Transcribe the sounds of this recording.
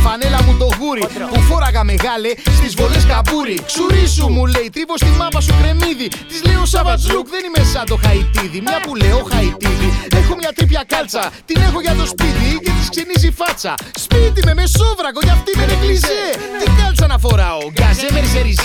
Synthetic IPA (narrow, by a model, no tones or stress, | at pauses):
fɐnelɐmuðo̞ɣuɾipufo̞ɾɐɣɐme̞ɣɐle̞st̪izvo̞leskɐpuɾiksuɾisumule̞jt̪ɾipo̞st̪imɐvɐsukɾe̞miðit̪izle̞jo̞sɐvɐt͡sukðe̞nimesɐt̪o̞xɐit̪iðimɲɐpuleoxɐit̪iðiexomɲɐt̪ɾipçɐkɐlt͡sɐt̪ine̞xo̞ʝɐt̪o̞spit̪ice̞t̪i̥skse̞nizifɐt͡sɐ̰spit̪ime̞me̞sovɾɐko̞ʝɐft̪imeneklizet̪ikɐlusɐnɐfo̞ɾɐoɡɐzemeɾzeɾiz